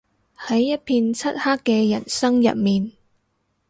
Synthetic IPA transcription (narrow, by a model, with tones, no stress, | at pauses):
hɐ˨˥jːɐ˥t̚pʰiː˧nt͡sʰɐ˥t̚haː˥kːɛː˧jɐ˨˩nsɐ˥ŋjɐ̰˨t̚miː˨n